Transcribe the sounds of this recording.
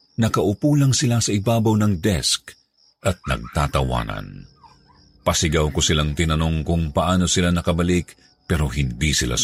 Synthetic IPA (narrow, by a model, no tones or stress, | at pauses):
nɐkɐʔʊpuːlɐŋsɪlasɐʔɪbaːbɐwnɐŋd̪ɛsk | ʔɐt̪̚nɐ̰ɡ̚t̪aːt̪ɐwa̰ːnɐ̰n | pɐsɪɡɐwkosɪlaŋt̪ɪnɐno̞ŋkʊŋpɐʔaːno̞sɪlanɐkɐbɐlik | pɛːɾo̞ɦɪnd̪isɪla̰